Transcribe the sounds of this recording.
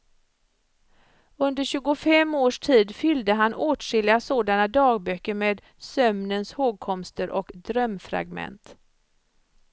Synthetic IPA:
ɵnd̪əɾɕʉ̟ːɡʊfɛmːoːʂʈʰiːd̪fʏld̪əɦanʔoːʈʂɪlɪasoːd̪anad̪ɑːɡ̚bœkːəɾmeːd̪ | sœmnənshoːɡ̚kʰɔmst̪əɾʔɔkd̪ɾœmfɾa̰ɡmɛ̰nt̪

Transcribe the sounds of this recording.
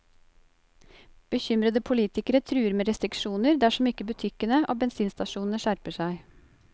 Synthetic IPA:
b̥əçʏmɾəd̪əpʰʊliːt̪ɪkəɾət̪ʰɾʉːəɾmeːɾɛst̪ɾɪkʂuːnəɾd̪æʂɔmɪkːəbʉt̪ʰɪkənəʔo̰ːbɛnsiːnst̪ɑʃuːnn̩əʃæɾpəʂæɪ

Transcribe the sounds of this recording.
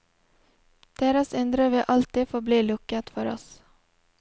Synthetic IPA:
d̪̥eːɾasɛnd̪ɾəvɪʔalt̪iːd̪foːbliːlɵkːat̪fœɾɔ̰s

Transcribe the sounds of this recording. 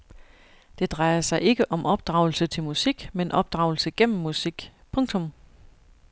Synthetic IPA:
d̥e̝d̥ʁɑ̈ɪɐsɑ̈ɪʔe̝ɡ̥əʔɒ̽mʔɒ̽b̥̚d̥ʁɑ̈ʊl̩sət͡sʰe̝lmusiɡ̥menʔɒ̽b̥̚d̥ʁɑ̈ʊl̩səɡ̥en̰m̩ːusiɡ̥pʰɔ̽ŋt͡sʰɒ̽m

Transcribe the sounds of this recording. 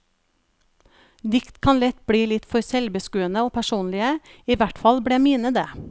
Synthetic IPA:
d̪ɪkt̪kʰɑnlɛt̪bɽiːlɪt̪fɔɾsɛlbəskʉːənəoːpʰæʃuːnlɪəiːʋæʈfɑlbɽeːmiːnəd̪eː

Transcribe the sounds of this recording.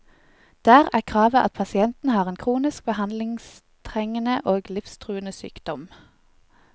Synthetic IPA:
d̪̥æːʁæːʁkʰʁɑːʋəʔɑ̰t̪̚pʰɑsɪɛnt̪n̩hɑːʁeːnkʰʁuːnɪsk̚bəhɑnd̪lɪŋs | t̪ʰʁɛŋənəʔoːɡlɪfst̪ʰʁʉːənəsy̰ːkd̪̥ɔm

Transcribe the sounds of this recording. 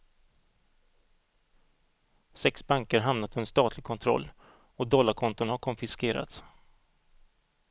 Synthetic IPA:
sɛksbaŋkəɾɦamnat̪ʰɵnə̥st̪ɑːt̪lɪɡ̚kʰɔnt̪ʰɾɔ̰lː | ɔd̪ɔlːaɾkʰɔnt̪ʊnhaɾkʰɔnfɪskeːɾa̰t̪s

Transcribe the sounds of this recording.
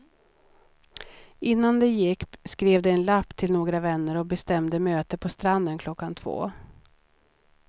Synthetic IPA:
ɪnːand̪ɛjɪkːskɾeːvd̪ɛɛnlapːt̪ʰɪlnoːɡɾavɛnːəɾɔk̚bɛst̪ɛmd̪əmøːt̪əpʰɔst̪ɾand̪ənkʰlɔkːant̪ʰv̥o̰ː

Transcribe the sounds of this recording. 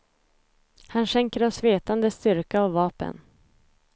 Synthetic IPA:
hanɕɛŋkəɾɔsveːt̪and̪əst̪ʏɾkaːvvɑːpə̰n

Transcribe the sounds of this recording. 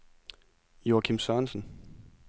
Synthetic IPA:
joːkʰimsœnsn̩

